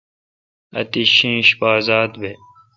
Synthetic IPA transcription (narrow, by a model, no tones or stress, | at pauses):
ɐ̰t̪iɕĩːɕbaːzaːt̪be